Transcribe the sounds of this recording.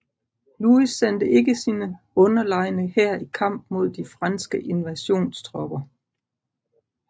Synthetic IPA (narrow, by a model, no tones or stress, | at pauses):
luisːen̰d̥əʔe̝ɡəsinə | ɔ̽nɐlɑ̈ɪnəhæɐ̰ikʰɑ̈m̰b̥̚mo̝ð̞ˠd̥ifʁɑnsɡ̥əʔe̝nʋæɕo̝̰ːnsd̥ʰʁɒ̽b̥ɐ